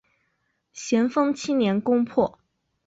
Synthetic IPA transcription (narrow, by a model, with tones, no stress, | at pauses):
ɕjɛ˧˥nfɤ˥ŋt͡ɕʰi˥njɛ˧˥nkʊ˥ŋpʰwɔ˥˩